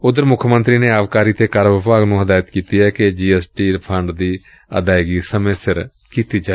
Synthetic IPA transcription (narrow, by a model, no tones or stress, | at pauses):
ʊd̪əɾmʊkʰəmə̃nt̪ɾiːneːaːʋkaːɾiːt̪eːkaːɾʋəpaːɡnũːɦəd̪aːjət̪kiːt̪iːɦɛːked͡ʒiːɛsʈiːɾpʰəɳɖd̪iː | ə̰d̪aːɪɡiːsəmẽːsɪɾ | kiːt̪iːd͡ʒaːe